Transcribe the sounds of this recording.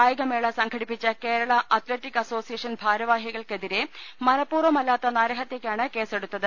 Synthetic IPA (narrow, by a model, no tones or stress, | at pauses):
aːjɐɣɐmeːɭɐsɐŋɡʰʱɐɽipːit͡ɕːɐke̞ːɾɐɭɐʔɐt̪leʈːikːɐso̞ːsijɐʂɐnbʱaːɾɐʋaːɦjiɣɐɭke̞ðiɾe̞mɐnɐpːuːrʋɐmɐlːaːt̪ːɐnaːɾɐɦɐt̪ːeːkʲːaːɳɨke̞ːse̞ɽut̪ːɐðɨ